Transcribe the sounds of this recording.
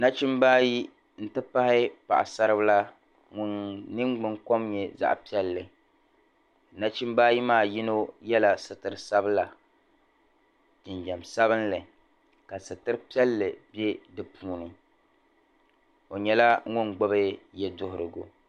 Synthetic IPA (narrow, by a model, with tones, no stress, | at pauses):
na˦t͡ʃi˦mbaː˦ji˦ | n̩˦tɨ˦pa˦hɪ˦pa̰˨ʔa̰˨sa˦ɾɨ˦bɨ˦la˦ | ŋʊ˦nnɨ˦ŋɡ͡bɨ˦ŋko˦mɲɛ˨za̰˨ʔpi˦ɛ˦lːɨ˨ | na˦t͡ʃi˦mbaː˦ji˦maː˦˨ji˦no˦jɛ˦la˨sɨ˨tɨ˨ɾɨ˨sa˦bɨ˦la˨ | d͡ʒɪ˨nd͡ʒɛ˨msa˦βɨ˦nlɨ˨ | ka˨sɨ˨tɨ˦ɾɨ˦pi˦ɛ˦lːɨ˨bɛ˦dɨ˨pʰuː˨nɨ˨ | o˨ɲɛ˨˦la˦ŋʊ˦nɡ͡bo˦bɨ˦jɛ˦dʊ˦hʊ˨ɾɨ˨ɡo̰˨